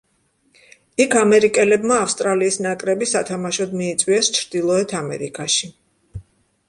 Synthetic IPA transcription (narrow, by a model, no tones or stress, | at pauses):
ikʰamɛɾikʼɛlɛbmaːfst̪ʼɾaliːsnakʼɾɛbisat̪ʰamaʃɔd̪miːt̪sʼwiɛst͡ʃʰɾd̪̥ilˠɔɛt̪ʰamɛ̰ɾḭkʼaʃi